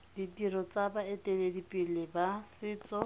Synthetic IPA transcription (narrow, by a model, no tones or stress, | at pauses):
ditirɔt͡sabaetʼeledipʼilɪbasɪːt͡sʼɔ